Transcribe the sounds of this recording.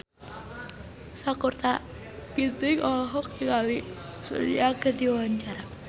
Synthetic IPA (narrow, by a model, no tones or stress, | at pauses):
sakurt̪a | bit̪ɪkɔlɔɦɔk̚ikalisṵdḭaɡərdiwawaɲt͡ʃaɾa